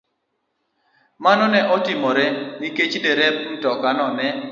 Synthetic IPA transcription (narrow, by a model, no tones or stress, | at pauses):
manɔnɛʔɔtimɔɾɛniket͡ʃdeɾɛp̚n̩tɔkanɔnɛ